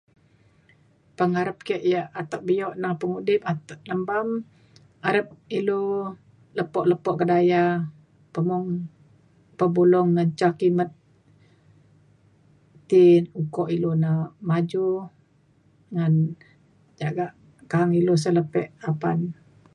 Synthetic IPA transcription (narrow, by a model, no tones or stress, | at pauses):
pəŋaɾəp̚kɛʔjaʔat̪aʔbijɔʔnaŋpəŋudɪp̚at̪aʔləmbam | aɾəp̚ilo | ləpɔʔləpɔʔkədaja | pəmɔŋ | pəbulɔŋːant͡ʃakimət̪̚ | inukɔʔilonamad͡ʒu | ŋan | d͡ʒaɡaʔ | kaɦaŋilos̬ələpɛʔapan